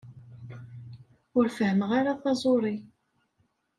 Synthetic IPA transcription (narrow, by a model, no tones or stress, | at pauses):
ʊɾfəhəməʁaɾaθɑzˤoɾˤi